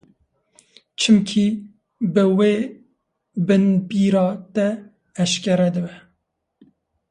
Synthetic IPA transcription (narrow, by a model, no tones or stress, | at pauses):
t͡ʃʰɨmkʰi | bɨweː | bɨnbiːɾɑːt̪ɛː | ʃkʲɛɾɛd̪ɨbɛ